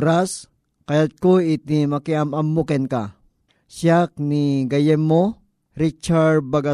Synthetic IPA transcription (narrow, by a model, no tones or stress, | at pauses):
ɾas | kɐjat̪̚koit̪imɐkiamɐmːukɛnka | sjak̚niɡɐjɛmːo | ɾit͡ʃabaɡa